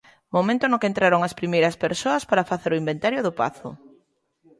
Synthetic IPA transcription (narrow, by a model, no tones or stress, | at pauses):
momẽnt̪ʊnʊkent̪ɾaɾoŋɐspɾimejɾɐspeɾsoɐspaɾɐfaθeɾʊimbẽnt̪aɾjoðʊpa̰θʊ̰